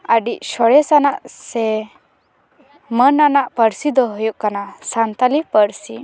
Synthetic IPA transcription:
aɖiʔɕɔɽɛsanaʔse | mənanaʔpəɽsid̪ɔɦɔjuʔkanasant̪alipəɽsi

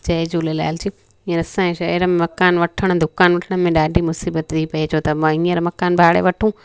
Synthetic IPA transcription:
d͡ʑɐed͡ʑoːlela̰ːɪld͡ʑi | ĩːəɾɐsãẽʃɐiɾəmẽmɐkaːnʋɐʈʰəɽ̃əd̪ʱʊkaːnʋɐʈʰəɽ̃ə̆mẽɗaːɖʱimʊsiːbət̪tipɐid͡ʑʰot̪ɐmãĩːəɾmɐkaːnbʱaːɽḛʋɐʈʰũː

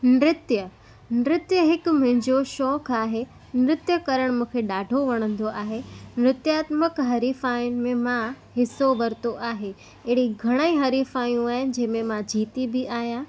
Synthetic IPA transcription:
nɾɪt̪jə | nɾɪt̪jəɦɪkʊ̆mɐ̃ɦɪ̃ɲd͡ʑoʃɔːkaːɦe | nɾɪt̪jəkɐɾəɽ̃mũːkʰeɗaːɖʱoʋɐɽ̃ə̃nd̪oʔaːɦemɾɪt̪jaːt̪məkɦɐɾiːfaːjʊnɪ̆mẽmã | ɦɪsoʋɐɾt̪oʔaːɦe | ɛɦɪɽiɡʱɐɽ̃aĩɦɐɾiːfaːjũaːɦɪnɪ̆d͡ʑɐ̃ɦɪ̃mẽmãd͡ʑiːt̪ibɪʔaːɦijãː

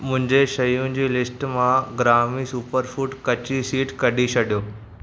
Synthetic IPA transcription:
mʊ̃ɦɪ̃ɲd͡ʑeʃɐjũd͡ʑiːlɪsʈmãɡɾaːmisuːpəɾfuːʈkɐt͡ɕisiːʈkɐɗʱisʰɐɗijoː

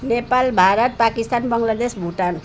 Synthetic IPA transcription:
nepalbʱaɾʌt̪̚pakist̪anbʌŋlad̪esbʱuʈan

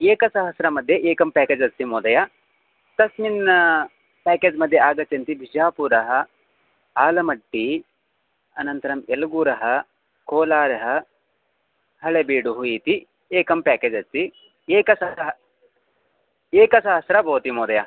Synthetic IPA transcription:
eːkɐsɐɦɐsɾɐmɐd̪ʱjeʔeːkɐmpaːkeːd͡ʒɐst̪imoːd̪ɐja | t̪ɐsmin | paːkeːd͡ʒmɐd̪ʱːjeaːɡɐt͡ʃːɐnt̪ibʱid͡ʒaːpuɾɐɦɐ | aːlɐmɐʈːi | ɐnɐnt̪ɐɾɐmelɐɡuːɾɐɦɐ | koːlaːɾɐɦɐ̆ | hɐɭebiːɖuɦuiːt̪i | eːkɐmpaːkeːd͡ʒɐst̪i | eːkɐsɐɦɐɦ | eːkɐsɐɦɐsɾɐbʱoːt̪imoːd̪ɐja

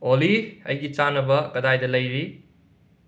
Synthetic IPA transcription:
oliɐ̰jɡit͡ʃanɐbɐkɐdajdɐlɐjɾi

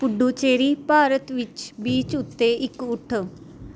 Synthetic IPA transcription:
pʊɖuːt͡ʃeːɾiːpaːɾət̪ʋɪt͡ʃbiːt͡ʃʊt̪ːeːʔɪkʊʈʰ

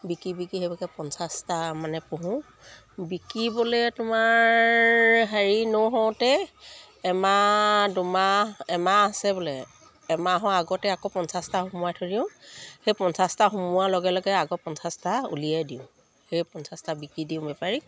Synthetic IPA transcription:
bikibikiɦebakɛpɔnsastamanɛpoɦʊ̃ | bikibolɛtʊmaɹɹɦaɹinɔɦɔwtɛː | madʊmaɛmaːsɛbɔlɛː | maɦɔ̃aɡɔtɛakopɔnsastaxumʊwajtʰoɹiʊ̃xejpɔnsastaxumʊwalɔɡɛlɔɡɛaɡɔpɔnsastaṵlijadiʊ̃ | xejpɔnsastabikɹidiʊ̃bɛpaɹi

